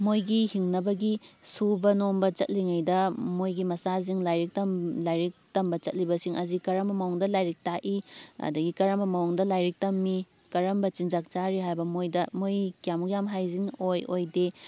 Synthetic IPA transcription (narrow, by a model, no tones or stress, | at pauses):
mojɡihiŋnɐbɐɡisubɐnombɐt͡ʃɐt̚liŋajdɐmojɡimɐsaziŋlajɾik̚tɐmlajɾik̚tɐmbɐt͡ʃɐt̚libɐsiŋɐzikɐɾɐmbɐmawɔŋdɐlajɾik̚taʔiɐ̰dɐɡikɐɾɐmbɐmɐwɔŋdɐlajɾik̚tɐmːi | kɐɾɐmbɐt͡ʃind͡ʒak̚t͡ʃaɾiɦajbɐmojdɐmojkijamukjamɦajziŋojojde